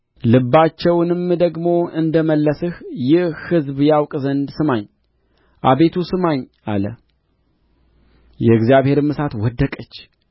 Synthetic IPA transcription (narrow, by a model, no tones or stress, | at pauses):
lɨbːat͡ʃːɛwnɨmd̪əɡmo̞ɨnd̪əməlːəsɨhjɪhhɨzbjawkʼzənd̪sɨmaɲː | ʔaβe̞t̪ʰusɨmaɲ | a̰lə | jɛɨɡzijaβhe̞ɾɨmɨsat̪wɔd̪ːəkʼət͡ʃː